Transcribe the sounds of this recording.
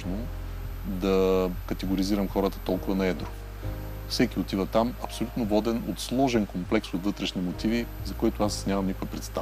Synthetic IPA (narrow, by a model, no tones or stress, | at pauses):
no | d̪ɐkɐt̪ɛɡoɾiziɾəmxɔɾət̪ə̥t̪ɔlˠkʊvɐnɐɛd̪ɾo | fsɛkiot̪ivət̪amɐpsolʲut̪novɔd̪ɛnot̪slˠɔʒɛnkomplɛksot̪vɤt̪ɾɛʃnimot̪ivizɐkɔjt̪ʊasnʲamɐmnikʊɛpɾɛt̪st̪a